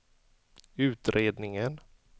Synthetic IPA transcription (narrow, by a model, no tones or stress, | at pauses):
ʉ̟ːt̪ɾʔeːd̪nɪŋən